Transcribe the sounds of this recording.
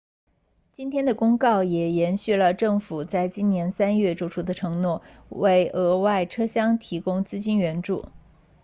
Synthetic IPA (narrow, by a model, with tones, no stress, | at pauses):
t͡ɕi˥nt̪ʰjɛ˥nd̪ə˨kʊ˥ŋkɑ˥˩ʊjɛ˨˩jɛ˧˥nɕy˥˩lə˩ʈ͡ʂɤ˥˩ŋfu˨˩t͡sa˥˩ɪt͡ɕi˥nnjɛ˧˥nsa˥nɥɛ˥˩ʈ͡ʂu˥˩ʈ͡ʂʰu˥d̪ə˨ʈ͡ʂʰɤ˧˥ŋnwɔ˥˩we˥˩ɪʔɤ˧˥wa˥˩ɪʈ͡ʂʰɤ˥ɕjɑ˥ŋt̪ʰi˧˥kʊ˥ŋt͡sɹ̩˥t͡ɕi˥nɥɛ˧˥nʈ͡ʂṵ˥˩